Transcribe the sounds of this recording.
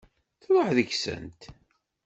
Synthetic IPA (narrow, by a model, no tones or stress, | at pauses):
θɾˤoħðəçsə̰nt̪